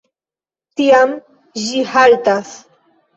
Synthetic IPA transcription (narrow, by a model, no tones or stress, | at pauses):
t̪iam | ʒɪhalt̪as